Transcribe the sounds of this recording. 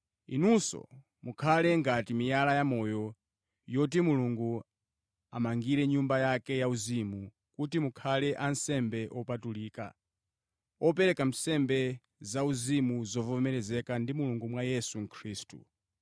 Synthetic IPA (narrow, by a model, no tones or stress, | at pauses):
ḭnusɔ̰ | mukʰalɛŋɡatimijalajamɔjɔ | jɔt̬imuluŋɡu | amaŋɡiɾɛɲumbajakɛjauzimu | kutimukʰalɛʔansɛmbɛʔɔpatuliːka̰ | ɔpɛɾɛkam̩sɛmbɛ | zauzimuzɔvɔmɛɾɛzɛkandimuluŋɡumwajɛsuŋkʰɾiːstṵ